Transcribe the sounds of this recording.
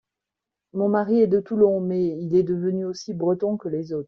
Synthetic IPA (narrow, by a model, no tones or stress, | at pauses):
mɔ̃maʁiɛd̪ət̪ulɔ̃mɛilɛd̪əvənyosibʁət̪ɔ̃kəlezoːt̪χ